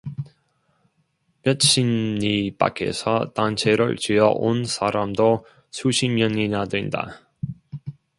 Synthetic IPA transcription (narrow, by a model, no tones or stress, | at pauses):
mjʌtɕʰinɲip͈a̰kʰe̞̰sʰʌ̰tant͡ɕʰe̞ɾɯ̰ɭt͡ɕijʌʔonsʰaɾamdo | sʰuɕʰimɲʌɲinadwenda̰